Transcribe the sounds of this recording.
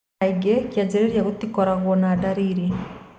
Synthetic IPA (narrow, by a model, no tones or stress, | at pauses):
iɡɛkjad͡ʒɛɾɛɾjaɣutikɔɾaɣwɔnaːdaɾiɾi